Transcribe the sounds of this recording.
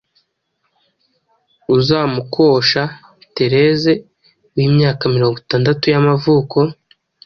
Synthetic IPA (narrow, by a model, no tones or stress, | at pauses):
uzaːmukʰo̞ʃa | te̞ɾe̞ze̞ | wiːmɲaːkamiɾo̞ːŋɡutaːndatujamavuːko̞